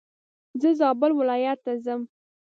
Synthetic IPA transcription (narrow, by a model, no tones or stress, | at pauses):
zəzɑbəlwɪlɑjat̪ːazəm